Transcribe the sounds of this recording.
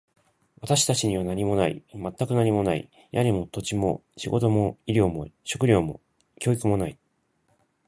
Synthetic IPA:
βat̪aɕi̥t̪at͡ɕiɲ̟iβanaɲ̟imo̞naḭmat̪ːakɯ̟naɲ̟imo̞naḭ | jaɲ̟ʲimo̞t̪o̞t͡ɕimo̞̰ɕiɡo̞̰t̪o̞mo̞iɾʲo̞ːmo̞̰ɕo̞kɯ̟ɾʲo̞ːmo̞̰ | kʲo̞ːikɯmo̞nai

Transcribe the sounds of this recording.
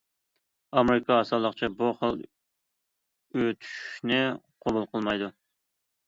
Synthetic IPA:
ɑmeɾɪkʰɑːsɑlˠːəqt͡ʃʰɑbuχəlˠ | øt̪ʰy̥ʃnɪqʰobulˠqʰəlˠmɑjd̪u

